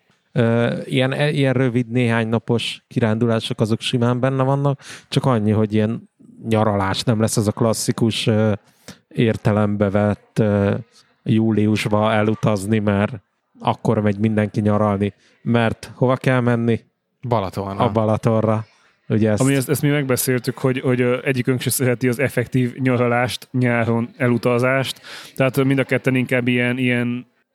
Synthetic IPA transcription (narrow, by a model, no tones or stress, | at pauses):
øːijɛnijɛnrøvid̪neːɦaːɲnɒpo̞ʃkiɾaːnd̪ulaːʃo̞kɒzo̞kʃimaːmbɛnːɛvɒnːɒk̚t͡ʃɒkɒɲːiɦo̞ɟijɛn | ɲɒɾɒlaːʃnɛmlɛsːɛzɒklɒsːikuʃøː | eːrt̪ɛlɛmbɛvɛt̪ːø | juːliuʒbɒɛlut̪ɒznimɛɾ | ɒ̰kːo̞rmɛɟmind̪ɛŋkiɲɒɾɒlni | mɛrt̪ho̞vɒkɛlmɛnːi | bɒlt̪orɒbɒlɒt̪o̞rːɒ | uɟɛsmiɛst̪ɛst̪miːmɛɡ̚bɛseːlt̪ykho̞ɟho̞ɟʔɛɟːikøŋkʃɛsɛɾɛt̪iɒzɛfɛkt̪iːvɲɒɾɒlaːʃt̪ɲaːɾo̞nɛlut̪ɒzaːʃt̪t̪ːɛɦat̪mind̪ɒkɛt̪ːɛniŋkaːbːiɛnijɛn